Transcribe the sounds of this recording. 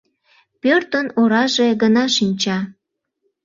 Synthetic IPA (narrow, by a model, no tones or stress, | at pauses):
pørt̪ənoɾɑʒeɣənɑʃinʲt͡ɕɑ